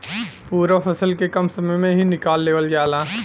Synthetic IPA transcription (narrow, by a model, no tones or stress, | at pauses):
puːɾapʰɐsəlkekɐmsɐməjmẽɦinɪkaːlːeːʋəld͡ʒaːlaː